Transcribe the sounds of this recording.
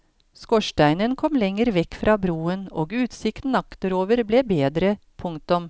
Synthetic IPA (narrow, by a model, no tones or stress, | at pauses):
skɔʃʈæɪnənkʰɔmlɛŋəɾʋɛkːfɾʔɑːbɾuːəno̰ːɡʉːt̪sɪkt̪n̩ɑkt̪əɾoːʋəɾbleːbeːd̪ɾə | pʰʊŋt̪ʊm